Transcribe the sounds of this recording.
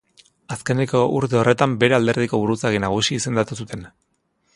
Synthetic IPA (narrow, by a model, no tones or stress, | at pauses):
aske̞neko̞ʔuɾt̪e̞o̞re̞t̪ambe̞ɾe̞ald̪e̞ɾð̞iko̞βuɾut͡saɣ̞inaɣ̞usiːse̞nd̪at̪us̬ut̪e̞n